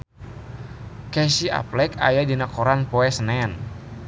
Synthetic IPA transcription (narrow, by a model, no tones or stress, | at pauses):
kɛsia̰plɛka̰jadinakɔɾanpɔɛsənɛn